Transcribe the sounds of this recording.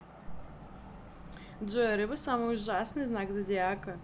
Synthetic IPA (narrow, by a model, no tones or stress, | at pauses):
d͡ʒʷɨɐɾɨbɐsamɨjuʒasnɨznakzɐdʲeaːkɐ